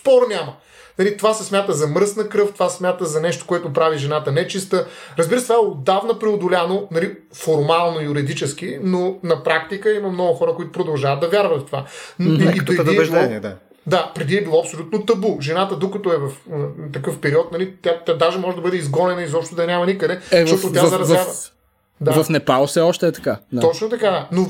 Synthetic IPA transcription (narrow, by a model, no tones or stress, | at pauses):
sspɔɾnʲamə | nɐlit̪ovasɛsmʲjat̪əzɐməɾsnɐkɾɤft̪ovasmʲjat̪əzɐnɛʃt̪o̥koɛt̪ʊpɾaviʒɛnat̪ənɛt͡ʃist̪əɾɐzbiɾəst̪ovaɛod̪avnɐpɾɛod̪ʊlʲanonɐli | foɾmalˠnoijʊɾid̪it͡ʃɛsk̟inonɐpɾakt̪ikəimɐmnɔɡʊxɔɾəkoit̪ʊ̥pɾod̪ɐlˠʒavət̪ːɐvʲjaɾvɐt̪t̪ova̰noipɾɛd̪iɛɛʒid̪ɔia | d̪apɾɛd̪iɛbilˠɔɐpsolʲut̪not̪ɐbuʒɛnat̪əd̪okɐt̪oɛvɐft̪ɐkɤfpɛɾiɔt̪̚nɐlit̪ʲjat̪ʲjad̪aʒɛmɔʒɛd̪ɐbɤd̪ɛizɡɔnɛnəizɔpʃt̪ʊd̪ɐnʲamɐnikəd̪ɛʃtɔt̪ot̪ʲjazɐɾɐzav | d̪avɐfnɛpalˠofsɛɔʃt̪ɛːt̪ɐkaaɔt͡ʃnot̪ɐkad̪ano